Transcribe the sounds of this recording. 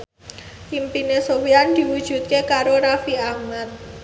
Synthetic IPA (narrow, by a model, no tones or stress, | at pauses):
impinesowiand̪̥i̤wud̥ʒ̥ṳt̪̚kekaɾoɾafiahmat̪̚